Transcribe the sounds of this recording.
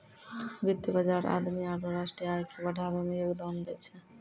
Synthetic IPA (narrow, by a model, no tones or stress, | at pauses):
bid̪jəbəd͡ʒaɾa̰d̪miaɾoɾaʃʈɾijajkebəɖʱabemeokd̪əmd̪ɛt͡ʃʰɛ